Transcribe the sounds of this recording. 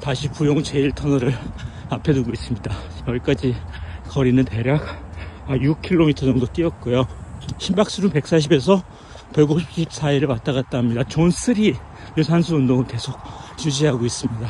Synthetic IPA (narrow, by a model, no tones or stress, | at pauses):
taɕʰipujoŋt͡ɕe̞iɭtʰʌnʌɾɯɾapʰe̞duɡois͈ɯmɲidaʌɭk͈ad͡ʑikʌɾinɯnte̞ɾjak̚ajuk̚kʰiɭːomitʰʌd͡ʑʌŋdot͈iʌt̚k͈ujoɕʰimbak̚s͈uɾumpe̞k̚s͈aɕ̬ʰibe̞s̬ʰʌ | pjʌɭɡuk̚ɕʰi̥pɕʰip̚s͈aiɾɯɭpat͈aɣat̚t͈aɦamɲidat͡ɕonsʰɯɾi | josʰansʰuɯndoŋɯɭke̞sʰok̚jud͡ʑiɦaɡois͈ɯmɲida